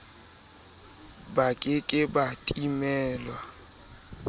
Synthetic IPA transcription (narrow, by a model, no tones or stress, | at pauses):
bakʼɪkʼɪbatʼimɛːlwa